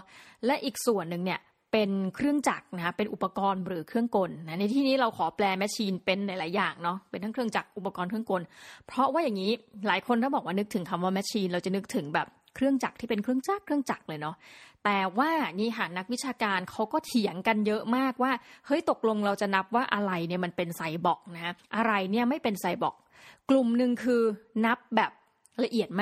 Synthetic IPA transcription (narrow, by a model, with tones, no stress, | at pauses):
lɛ˦˥ʔiː˨˩k̚su˨˩ənːɯ˨˩ŋni˥˩ɐ | pe˧nkʰɾɯ˥˩əŋt͡ɕa˨˩k̚na˦˥pe˧nʔu˨˩pːa˧kɔː˧nɾɯː˩˦kʰɾɯ˥˩əŋko˧nːa˦˥na˧jt̪ʰiː˥˩niː˦˥ɾa˧wkʰɔː˩˦plɛː˧mɛ˦˥t͡ɕʰiː˧npe˧nːa˨˩˦laː˩˦jːaː˨˩ŋnɔ˦˥pe˧nt̪ʰa˥kʰɯ˥˩əŋt͡ɕa˨˩k̚ʔu˨˩pːa˧kɔː˧nkʰɯ˥˩ə˨ŋko˧npʰɾɔ˦˥waː˥˩ja˨˩ŋːiː˦˥laː˩˦jkʰo˧nt̪ʰa˥˩bɔː˨˩k̚waː˥˩ɯ˦˥k̚t̪ʰɯ˩˦ŋkʰa˧mwaː˥˩mɛ˦˥t͡ɕʰiː˧nɾa˧wt͡ɕa˨˩nɯ˦˥k̚t̪ʰɯ˩˦ŋbɛ̰ː˨˩p̚ | kʰɾɯ˥˩əŋt͡ɕa˨˩k̚t̪ʰiː˥˩pe˧nkʰɾɯ˥˩əŋt͡ɕaː˥˩kkʰɾɯ˥˩əŋt͡ɕa˨˩k̚lɤː˧jnɔ˦˥t̪ɛː˨˩waː˥˩˨niː˦˥˩ɦa˩na˦˥k̚wi˦˥t̚t͡ɕʰaː˧kaː˧nkʰa˦˥wkɔː˥˩t̪ʰi˩˦əŋka˧njɤ˦˥ʔmaː˥˩k̚waː˥˩hɤ˦˥jt̪o˨˩k̚lo˧ŋɾa˧wt͡ɕa˨˩na˦˥p̚waː˥˩ʔa˧ɾa˧jni˥˩ɐma˧npe˧nsa˧jbɔ˨˩k̚na˦˥kʰa˦˥ʔa˧ɾa˧jni˥˩ɐma˥˩jpe˧nsa˧jbɔ̰˨˩k̚ | klu˨˩mnɯ˨˧ŋkʰɯː˧na˦˥p̚bɛː˨˩p̚ | la˧ʔi˨˩ət̪̚m˥